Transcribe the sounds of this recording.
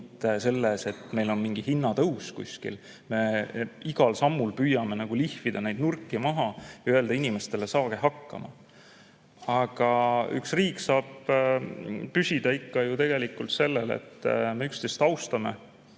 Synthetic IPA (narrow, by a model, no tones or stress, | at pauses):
t̪ːˑese̞lːese̞t̪ːˑme̞jlo̞nmiŋɡ̥ihinːɑt̪ɤwskṵsʲkḭl | me̞iɡ̥ɑlsɑmːulpyːjɑme̞nɑɡ̥ulihfid̪̥ɑnejd̪nurkːˑimɑɦɑjɑyøeld̪̥ɑinime̞st̪e̞le̞sɑːɡ̥eɦɑkːɑ̰mɑ̰ | ɑɡ̥ɑy̰ksriːkːsɑːb̥ | pysʲid̪̥ɑikːɑjut̪e̞ɡ̥e̞likːˑult̪se̞lːelḛt̪ːme̞ykst̪ejst̪ɑwst̪ɑme̞̰